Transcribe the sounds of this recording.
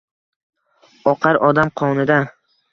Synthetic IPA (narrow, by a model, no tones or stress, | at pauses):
ɒqʰɑɾɒd̪amqʰɒnɪd̪a